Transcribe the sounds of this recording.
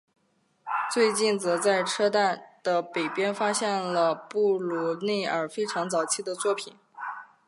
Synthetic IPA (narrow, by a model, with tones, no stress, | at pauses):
t͡swe˥˧ɪt͡ɕi˥˩nt͡sɤ˧˥t͡sa˥˩ɪʈ͡ʂʰɤ˥t̪a˥˩nd̪̥ə˩pe˨˩ɪpjɛ˥nfa˥ɕjɛ˥˩nlə˩pu˥˩lu˧˥ne˥˩ɪə˞˨˩fe˥ɪʈ͡ʂʰɑ˧˥ŋt͡sɑ˨˩ʊt͡ɕʰi˥˩d̪ə˩t͡swɔ˥˩pʰi˨˩˦n